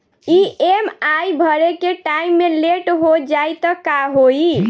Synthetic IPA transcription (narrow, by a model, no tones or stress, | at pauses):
iemajbʱəɾekeʈaimːeleʈɦod͡ʒajt̪əkaɦoi